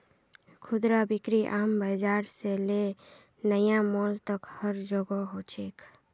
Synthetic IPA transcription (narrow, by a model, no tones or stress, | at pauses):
kʰud̪ɾabikɾiʔaːmbəd͡ʒaɾsele | nəjãmɔlt̪əkhəɾd͡ʒoɡɔɦot͡ʃʰek